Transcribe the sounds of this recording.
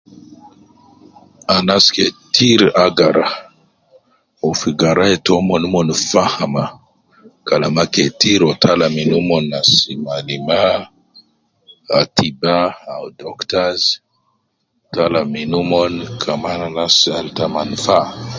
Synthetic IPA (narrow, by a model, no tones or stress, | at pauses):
anasketʰiɾaɡaɾa | ɔfiɡaɾaetɔmɔnumɔnfahama | kalamaketiɾɔtʰalaminumɔnasimalima | a̰tibaawdɔktaz | talaminumɔnkʰamananasaltamanfa